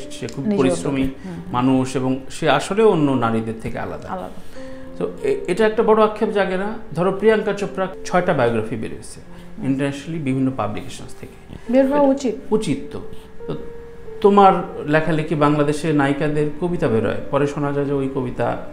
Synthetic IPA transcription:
ʃekʰubpoɾisɾomi | manuʃeboŋʃeaʃoleoonːonaɾid̪eɾt̪ʰekḛa̰la̰d̪a̰a̰d̪ | t̪oeeʈaɛk̚ʈabɔɽoakʰːepd͡ʑaɡeɾad̪ʱɔɾopɾijaŋkaɾt͡ɕopːɾakt͡ɕʰɔeʈabajoɡɾafibḛɾḛesʰe̥ | iɳʈaɾnɛʃonalibibʱinːopa̰blikeʃonst̪ʰeke̥beɾɦaut͡ɕit̪ut͡ɕit̪ːo̰t̪ot̪omaɾlɛkʰalekʰibaŋlad̪eʃeɾnajkad̪eɾkobit̪abeɾɔ̰epɔɾeʃonad͡ʑaed͡ʑaojkobit̪a̰

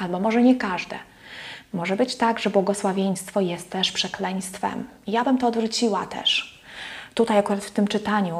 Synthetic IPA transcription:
albɔmɔʐɛɲɛkaʐd̪ɛ̰ | mɔʐɛbɘt͡ɕt̪aɡʐɛbwɔɡɔswavʲjeɲ̃st̪fɔjɛst̪ːɛʂpʂɛklɛɲ̃st̪fɛ̰m | ijabɘmt̪ɔːd̪vɾut͡ɕiwat̪ɛ̰ʂ | t̪ut̪ajakuɾat̪ft̪ɘmt͡ʂɘt̪aɲu

